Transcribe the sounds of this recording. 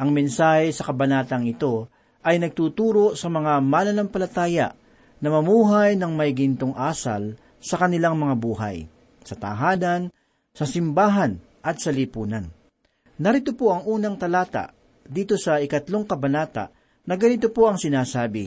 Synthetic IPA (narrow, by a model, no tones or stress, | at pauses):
ʔɐŋmɛnsaːhɛsɐkɐbɐnaːt̪ɐŋɪt̪o̞ | ʔɐjnɐɡ̚t̪uːt̪uːɾo̞sɐmɐŋamalɐnɐmpɐlɐt̪aːjɐ̰ʔ | nɐmɐmuːɦajnɐŋmɐjɡɪnt̪oŋʔaːsa̰l | sɐkɐnɪlaŋmɐŋabuːɦa̰j | sɐt̪ɐ̰ɦaːnɐn | sɐsɪmbaːɦɐn | ʔɐt̪̚sɐlɪpuːnɐnː | ɐɾɪt̪opo̞ʔɐŋʔuːnɐŋt̪ɐlaːt̪a̰ʔ | d̪iːt̪o̞sɐɪkɐt̪lo̞ŋkɐbɐnaːt̪a̰ʔ | nɐɡɐnɪt̪opo̞ʔɐŋsɪnaːsaːbɪ